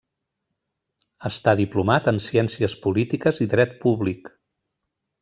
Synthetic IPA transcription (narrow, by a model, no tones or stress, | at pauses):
əst̪aðiplumat̪ənsiɛnsiəspulit̪ikəziðɾɛt̪̚puβlik